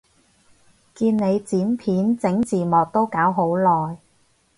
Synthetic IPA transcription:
kiː˧nne˨˧jt͡siː˨˥npʰiː˨˥nt͡sɪ˨˥ŋt͡siː˨˩mɔː˨k̚t̪o˥wkaː˨˥wɦo˨˥wlɔː˨˩j

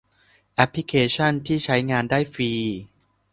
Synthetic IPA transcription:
ʔɛ˦˥pʰli˦˥kʰeː˧t͡ɕʰa˥˩nt̪ʰiː˥˩t͡ɕʰa˦˥jŋaː˧ndaː˥˩jfiː˧

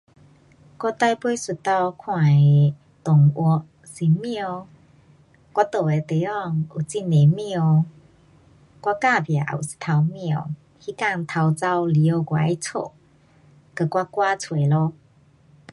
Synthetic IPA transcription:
kwa˦˥t̪a˥˧jpwe˧˦su˨˩t̪a˧wkʰwã˨˩˨ | t̪ʊ˨˩ŋʔwɔ˧˩ʔ | si˨˩mĩ˧o˧ | kwa˦˥t̪o˨˩e˨t̪e˨˦ɔ˥˧˩ŋu˨˩t͡si˧˥˨ne˨mjo˧ | kwa˦˧ka˥˧˨bja˨˩ʔṵ˨˩si̥˨˩t̪ʰa˧wmĩ˧˨ | hi˦ka˥˧˨ŋt̪ʰa˧wt͡sa˧˩wli˧˨o˧ɡwa̰˨jt͡sʰo̰˧˨ | kə˧˩kwa˦˥kwa˦t͡sʰwe˨˩lo˧˦

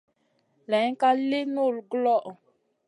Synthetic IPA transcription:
lɛ˨˦ka˦le˦no˦˨lɡlɔ˦ʔ

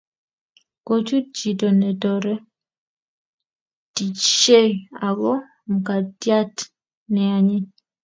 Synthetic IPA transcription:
ko˦t͡ʃu˦d͡ʒi˨to˨nɛ˨tɔ˨ɾɛ˦ | ti˨t͡ʃːe˦a˨ɡɔ˦ | m̩˨ka˨tja˦t | nɛ˨a˨ɲɪ˦

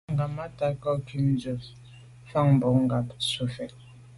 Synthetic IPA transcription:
ŋɡa˨ma˦ta˨kɔ˦kʰi˨˦n˦d͡ʒə˨ | fa˦˨ŋm˨bɔ˨˦ŋ˦ɡa˨psu˨fɛ˨

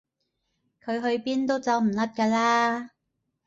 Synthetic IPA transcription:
kʰɵ˨˧ɥɦɵ˧ɥpiː˥nt̪o˥wt͡sɐ˨˧wm̩˨˩lɐ˥t̚kaː˧laː˥

